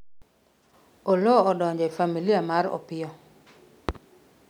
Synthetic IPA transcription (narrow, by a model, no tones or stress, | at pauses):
olɔɔdɔɲd͡ʒɔifamilijamaɾɔ̰pɪɔ